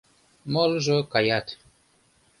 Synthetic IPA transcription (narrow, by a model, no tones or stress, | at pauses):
mɔlʒokajat̪